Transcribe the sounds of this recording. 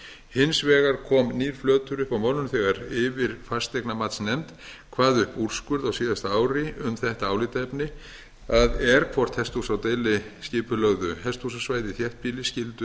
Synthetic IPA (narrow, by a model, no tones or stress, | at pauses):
hɪnsvɛːɣaɾkʰɔːmniːɾ̥flœːt̪ʏɾʏhpawmawlnʏnθɛɣaɾɪvɪɾ̥fast̪ɛknamat̪snɛmt̪kʰvaːðʏhpuɾ̥skʏɾðawsiːðast̪aːwɾɪʏmθɛht̪aaːwlɪt̪ɛpnɪ | aðɛɾ̥kʰvɔr̥t̪hɛst̪usawt̪ejlɪscɪːpʏlœɣðʏhɛst̪usasvaːjðɪθjɛht̪̚piːlɪscɪlt̪ʏ